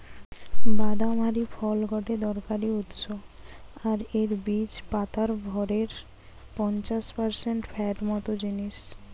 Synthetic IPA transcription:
bad̪amaɾifʰɔlɡʱɔʈed̪ɔɾkaɾiut̪ʃoaɾeɾbit͡ɕpat̪ʰaɾɡʱɔɾeɾ | pɔnt͡ɕaʃpaɾseɳʈfʰɛʈmɔt̪od͡ʑiniʃ

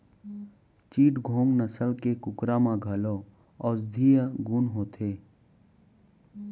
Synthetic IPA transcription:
t͡ʃiːʈɡʱõːŋnəsəlkekʊkɾamãɡʱəloː | ɔːɾd̪ʱiːjəɡunɦoːt̪ʰeː

